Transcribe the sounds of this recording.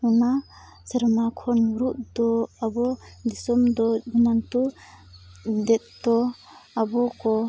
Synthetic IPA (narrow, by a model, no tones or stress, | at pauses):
una | səɾmakʰɔnuɾuʔd̪ɔabɔd̪isɔmd̪ɔdunant̪u | d̪ɛt̪̚dɔ | abɔkɔ